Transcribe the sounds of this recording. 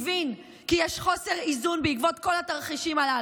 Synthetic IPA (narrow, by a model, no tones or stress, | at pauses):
vin | kijɛʃχo̞se̞ʁizunbeikvo̞t̪̚ko̞lat̪aʁχiʃimala